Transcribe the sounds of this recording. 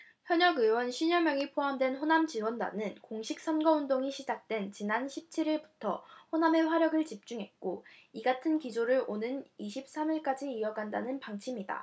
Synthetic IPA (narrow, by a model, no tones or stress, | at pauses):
çjʌɲʌɡɯwʌnɕʰiɲʌmjʌŋipʰoɦamdwe̞nɸonamt͡ɕiwʌnda̰nɯnkoŋɕʰik̚s͈ʌnɡʌundoŋiɕʰid͡ʑak̚t͈we̞nt͡ɕinanɕʰip̚t͡ɕʰiɾiɭbu̥tʰʌ̰ɸoname̞ɸwaɾjʌɡɯɭt͡ɕip̚t͡ɕ͈uŋɦe̞t̚k͈oiɡatʰɯnkid͡ʑoɾɯɭonɯniɕʰip̚s͈amiɭk͈ad͡ʑiːʌɡanda̰nɯnpaŋt͡ɕʰimida̰